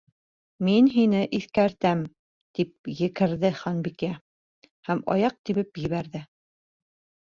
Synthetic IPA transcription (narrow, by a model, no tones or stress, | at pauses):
minɦinɘʔiθkæɾt̪æm | t̪ip̚jɘ̆kɘ̆ɾðɘχɑnbikæ | hæmɑ̰jɑq̚t̪iβɘpjɘ̆βæɾðɘ